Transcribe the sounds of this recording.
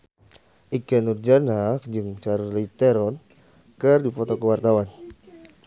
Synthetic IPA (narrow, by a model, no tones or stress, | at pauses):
ʔikɛnurd͡ʒanakd͡ʒɨŋt͡ʃaɾlit̪ɛɾɔn | kɨrdipɔt̪ɔkəwart̪awan